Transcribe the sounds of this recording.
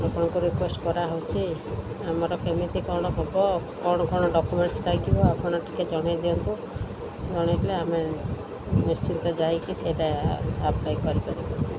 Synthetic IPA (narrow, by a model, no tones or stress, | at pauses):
apɔɽ̃ɔkuɾikwesʈkɔɾaɦowt͡ʃʰi | amaɾɔkemit̪ikɔɾɽ̃ɔbʱɔbɔkɔɽ̃ɔkɔɽ̃ɔɖɔkumeɳʈsʈajkibɔapʰɔɽ̃ɔʈi̥ked͡ʒɔɽ̃ajd̪iɔnt̪u | d͡ʒɔɽ̃aʈileame | nist͡ʃint̪ɔd͡ʒajkiseʈaabt̪ajkɔɾipaɾibɔ